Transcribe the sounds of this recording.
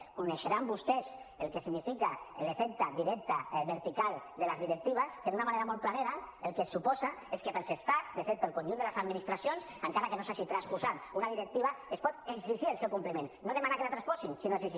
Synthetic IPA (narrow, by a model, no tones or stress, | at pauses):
kuneʃeɾambust̪ɛs | elˠkesinifikalefɛk̚t̪aðiɾɛk̚t̪aβəɾt̪ikal | d̪eləzðiɾek̚t̪iβ̞askeðunamaneɾamɔlt̪̚planeðaelˠkesːupɔzaeskepəlsest̪azd̪efet̪̚pelˠkonʒuneləzad̪minist̪ɾasjonsəŋkaɾakenosaʃit̪ɾaspuzat̪unaðiɾek̚t̪iβ̞aespɔt̪eɡziʒiəlˠsewkumpləmẽnːoðemanakelat̪ɾaspɔsinsinoesiʒi